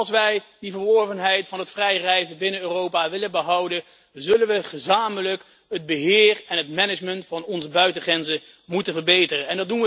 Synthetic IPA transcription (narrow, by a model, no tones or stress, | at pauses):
ɑlˠsʋɛjdivərʋɔɹvənɦɛjtfɑnətfrɛjrɛjzəbɪnənøːrowpaʋɪlənbəɦɑwdə | zɵlənʋəχəzaːmələk | ɦəd̚bəɦɪːrɛnətmɛnɪd͡ʒməntfɑnɔnzəbœɥtəχrɛnzə | mutənvərbejtərənɛndɑd̚unʋə